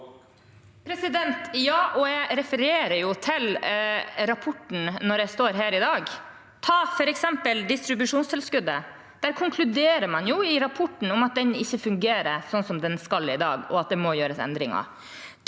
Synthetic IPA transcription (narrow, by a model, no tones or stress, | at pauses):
pʰɾɛsɪd̪ɛnt̪jɑːʔɔjæɪɾɛfəɾeːɾəɾjʊt̪ʰɪl | ɾɑpʰɔʈːn̩nɔɾjæɪst̪oːɾɦæːɾɪd̪ɑːɡ | t̪ʰɑːfɔɾɛksɛmpəld̪ɪst̪ɾɪbʉʂuːnst̪ʰɪlskʉd̪ːə | d̪̥æːɾkʰʊŋkʰlʉd̪eːɾəɾmɑnjʊɪɾɑpʰɔʈːɳ̩ɔmɑt̪̚d̪ɛnɪçːəfʉŋɡeːɾəsɔnsɔmd̪ɛnskɑlɪd̪ɑ̰ːɡɔ̰ɑt̪̚d̪ɛmɔjøːɾəsɛ̰nd̪ɾɪ̰ŋɑ̰